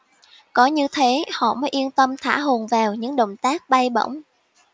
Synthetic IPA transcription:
kɔ˨˦ɲɨ˧t̪ʰe˨˦hɔ̰˧˨məː˨˦jʔi˧ənt̪ə˧mt̪ʰa̰ː˧˩ɦo˨˩nvaː˨˩wɲɨ̰˧˥ŋɗə̰˧˨wŋ͡mt̪aː˦˥k̚ɓa˧jɓə̰˧˥˨wŋ͡m

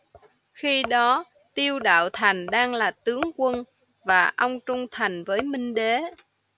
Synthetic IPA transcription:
xi˧ɗɔ˨˦ | t̪i˧əwɗa̰ː˧˨wt̪ʰa˨˩jŋ̟ɗaː˧ŋlaː˨˩t̪ɨ˨˦əŋkwə˧n | vaː˨˩ʔɔ˧wŋ͡mt͡ɕʊ˧ŋ͡mt̪ʰa˨˩jŋ̟vəː˨˦jmï˧ŋ̟ɗe˨˦

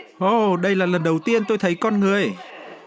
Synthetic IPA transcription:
ʔo˧˩ɗə˧jlaː˨˩lə˨˩nɗə˨˩wt̪i˧ənt̪o˧jt̪ʰə˨˦jkɔ˧nŋɨ˨˩əj

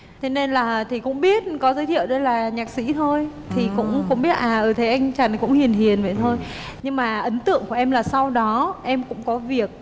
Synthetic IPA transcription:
t̪ʰe˨˦ne˧nlaː˨˩t̪ʰi˨˩kʊ̰˧˥ŋ͡mɓi˦˥ət̚kɔ˨˦zəː˨˦t̪ʰḭ˧˨əwɗə˧jlaː˨˩ɲaː˨˩k̚sḭ˧˥t̪ʰo˧j | t̪ʰi˨˩kʊ̰˧˥ŋ͡mkʊ̰˧˥ŋ͡mɓi˦˥ət̚ʔaː˨˩ʔəː˧˩t̪ʰe˨˦ʔa˧jŋ̟t͡ɕa˨˩nkʊ̰˧˥ŋ͡mhi˨˩ənɦi˨˩ənvə̰˧˨jt̪ʰo˧jɲɨ˧ŋmaː˨˩ʔə˨˦nt̪ɨ̰˧˨əŋku˧˩əʔɛ˧mlaː˨˩sa˧wɗɔ˨˦ʔɛ˧mkʊ̰˧˥ŋ͡mkɔ˨˦vi˨˩ək̚

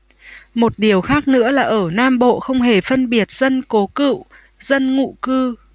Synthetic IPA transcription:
mo˨˩t̚ɗi˨˩əwxaː˦˥k̚nɨ̰˧˥əlaː˨˩ʔəː˧˩naː˧mɓo̰˧˨xə˧wŋ͡mɦe˧˩fə˧nɓi˨˩ət̚z̥ə˧nko˨˦kɨ̰˧˨w | z̥ə˧nŋṵ˧˨kɨ˧

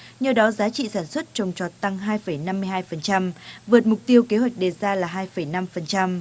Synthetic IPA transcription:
ɲəː˧˩ɗɔ˨˦zaː˨˦t͡ɕḭ˧˨saː˧˩nswə˦˥t̚t͡ɕə˨˩wŋ͡mt͡ɕɔ˨˩t̪a˧ŋɦaː˧jfə˧˩jna˧mːɨ˧hɦaː˧jfə˨˩nt͡ɕa˧mvɨ˨˩t̚mʊ˨˩k͡p̚t̪i˧əwke˨˦ɦwa˨˩jk̟̚ɗe˨˩zaː˧laː˨˩ɦaː˧jfə˧˩jna˧mfə˨˩nt͡ɕa˧m

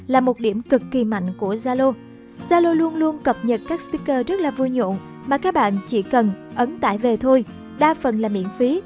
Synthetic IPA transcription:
laː˨˩mo˨˩t̚ɗi˧˩əmkɨ˨˩kːi˨˩ma̰˧˨jŋ̟ku˧˩əzaː˧lo˧ | z̥aː˧lo˧lu˧ənlu˧ənkə˨˩p̚ɲə˨˩t̚kaː˦˥k̚st̪i˦˥kəː˧zə˦˥t̚laː˨˩vu˧jɲo̰˧˨n | maː˨˩kaː˦˥k̚ɓa̰ː˧˨nt͡ɕi˧˩kə˨˩nʔə˨˦nt̪a̰ː˧˨jve˨˩t̪ʰo˧j | ɗaː˧fə˨˩nlaː˨˩mḭ˧˩ənfi˨˦

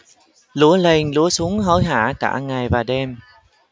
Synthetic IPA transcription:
lu˧˦əle˧˩nlṵ˧˥əsu˨˦əŋɦə˧˩˦jɦa̰ː˧˩ka̰ː˧˩ŋa˨˩jvaː˨˩ɗɛ˧m

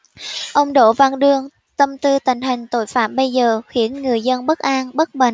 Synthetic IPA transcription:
ʔə˧wŋ͡mɗo̰˧˨va˧nɗɨ˧əŋ | t̪ə˧mt̪ɨ˧t̪ï˧˨˩ŋ̟ɦï˨˩ŋ̟t̪o̰˧˥˨jfa̰ː˧˩mɓə˧jzəː˨˩xwi˧˩˥ənŋɨ˨˩əjzə˧nɓə˦˥t̚ʔaː˧nɓə˦˥t̚ɓə̰˧˨ŋ

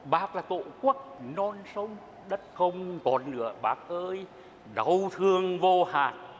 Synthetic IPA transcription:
ɓaː˦˥k̚laː˨˩t̪o̰˧˨ku˦˥ək̚nɔ˧nsə˧wŋ͡m | ɗə˦˥t̚xə˧wŋ͡mkɔ˨˩nlɨ̰˧˨əɓaː˦˥k̚ʔəː˧j | ɗə˨˩wt̪ʰɨ˧˩əŋvo˧haː˨˩t̚

